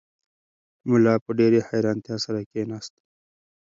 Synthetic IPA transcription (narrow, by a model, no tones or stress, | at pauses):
mʊlɑːpəɖeɾeħajɾɑnt̪jɑːsaɾakenaːst̪